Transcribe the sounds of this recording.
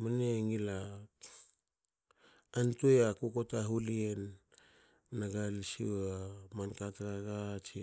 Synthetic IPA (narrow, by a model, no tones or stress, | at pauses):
maneŋila | ntuojakokotaɦulien | naɡalisḭwamankatɾaɡat͡ʃi